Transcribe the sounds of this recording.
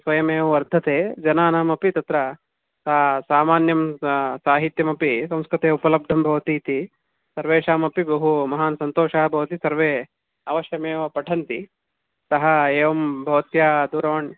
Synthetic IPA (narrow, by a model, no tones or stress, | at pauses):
sʋɐjɐmeːʋɐʋɐɾd̪ʱɐt̪eːd͡ʒɐnaːnaːmɐpit̪ɐt̪ɾɐ | sɐsaːmaːnjɐmsaːɦit̪jɐmɐpisɐ̃mskɾɐt̪eːupɐlɐb̚ɖʱɐmbʱɐʋɐt̪iːt̪i | sɐɾʋeːʂaːmɐpibɐɦumɐɦaːnsɐnt̪oːʂɐɦɐbʱɐʋɐt̪isɐɾʋeː | ɐʋɐʃjɐmeːʋɐpɐʈʰɐnt̪i | sɐɦɐeːʋɐmbʱɐʋɐt̪jaːd̪uːɾɐʋɐɳ